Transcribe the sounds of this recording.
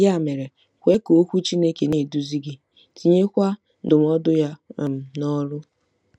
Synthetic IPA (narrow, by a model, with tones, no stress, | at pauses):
ja˦˨me˨ɾe˨ | kʷe˦ko˨˦kʷu˦t͡ʃi˦ne˦ke˨ne˦˨du˦zi˦ɡi˦ | ti˨ɲe˦kʷa˦ | dʊ˨m˦ɔ˦dʊ˦ja˦˨m̩˦nɔ˦ɾʊ˦